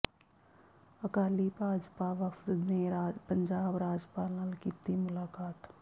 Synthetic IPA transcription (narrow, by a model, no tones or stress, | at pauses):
ɐkaːlibʱaːd͡ʒpaʋəft̪neɾapə̃ɲd͡ʒaːbɾaːd͡ʒpaːləlkiːt̪imʊlaːkaːt̪